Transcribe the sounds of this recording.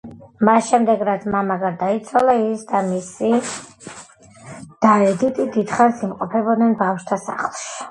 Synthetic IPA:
masʃɛmd̪ɛɡɾat̪sʰmamaɡaɾd̪ait̪sʰwalaisd̪amisi | d̪̥aɛd̪it̪ʼid̪id̪χansimqʼɔpʰɛbɔd̪nɛnbafʃt̪ʰasa̰χlˠʃi̥

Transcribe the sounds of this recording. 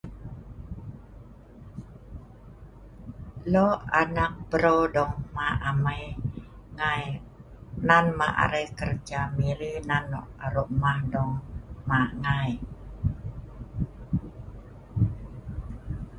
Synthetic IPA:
lɔanak̚bəɾodɔŋmaamaj | ŋaj | nanma̰ʔa̰ɾəkərd͡ʒamiɾinanːɔʔaɾɔʔmahdɔŋmaʔŋaj

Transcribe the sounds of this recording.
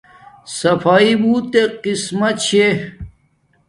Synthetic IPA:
sɐfaːibuːt̪eqismɐɕʰe

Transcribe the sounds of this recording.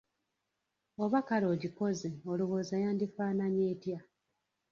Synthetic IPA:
o̞βakalo̞ːɟiko̞zeoluβoːzajaːndifaːnaɲeːtja

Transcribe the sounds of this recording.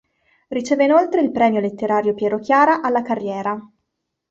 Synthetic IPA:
rit͡ʃeːveinolt̪ɾeilpɾɛːmjolet̪ːeɾaːɾjopjɛɾokjaːɾaʔalːakarːjɛːɾa

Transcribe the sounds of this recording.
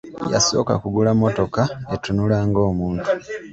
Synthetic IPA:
ja̰so̞̰ːka̰kuɡulamːoto̞kaetunulaːŋɡo̞ːmuːntu̥

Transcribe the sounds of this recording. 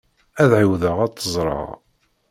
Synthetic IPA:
æðʕiwðəʁæt̪ːəzˤɾˤɑ̰ʁ

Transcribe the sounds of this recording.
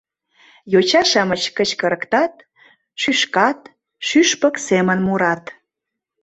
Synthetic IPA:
jot͡ɕɑʃɑmət͡ɕkət͡ɕkə̆ɾə̆kt̪ɑt̪̚ | ʃyʃkɑt̪̚ | ʃyʃpə̆ksemənmuɾɑt̪

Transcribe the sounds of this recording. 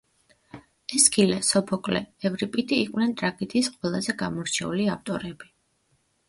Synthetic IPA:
ɛskʰilɛsɔpʰɔkʼlɛ̰ːvɾipʼit̪ʼiːqʼwnɛnt̪ʼɾaɡit̪ʰʼisqʼwɛlˠazɛɡamɔɾt͡ʃʰɛuliaft̪ʼɔɾɛbi

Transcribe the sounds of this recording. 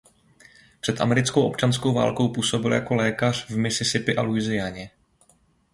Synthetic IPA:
pr̝̥ɛt̪ʔa̰mɛɾɪt͡skowʔo̞pt͡ʃanskowva̰ːlko̞wpuːso̞bɪljako̞lɛːkar̝̥vmɪsɪsɪpɪʔaluɪzɪjaɲɛ

